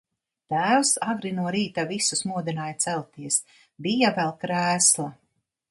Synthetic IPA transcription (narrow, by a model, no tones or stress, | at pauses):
t̪æːwsaɡɾinuɔɾiːt̪avisusmuɔd̪inaːjt̪sɛlʲt̪iɛs | bijavɛlˠkɾæːslˠa